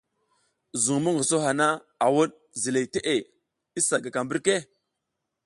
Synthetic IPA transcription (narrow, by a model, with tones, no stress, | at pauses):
zu˨ŋmu˦ŋɡə˨so˦ɦa˨na˦ | a˨wu˦ɗ | zi˨le˨te˦ʔe˨ | i˦sa˨ɡa˨ka˨mbi˦ɾke˦